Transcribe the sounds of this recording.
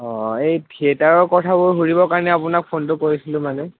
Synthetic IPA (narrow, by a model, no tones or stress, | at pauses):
ɔejtʰietaɹɔɹkɔtʰabʊɹɦuɹibɔkaɹnɛapʊnak̚pʰontʊkoɹisilʊ̃manɛ